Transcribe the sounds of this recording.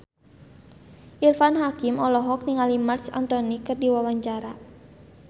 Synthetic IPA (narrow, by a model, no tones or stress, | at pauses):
ʔirfanɦakimɔlɔɦɔk̚niŋalimarsa̰nt̪ɔnikɨrdiwawaɲt͡ʃaɾa